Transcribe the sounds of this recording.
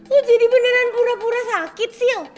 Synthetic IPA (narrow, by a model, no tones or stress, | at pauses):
ud͡ʒid̪ibənenanpuɾapuɾasakːit̪siaŋ